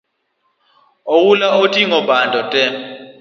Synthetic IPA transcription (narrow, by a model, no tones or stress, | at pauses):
owulaotʼiŋɔbandʱɔtʼɛ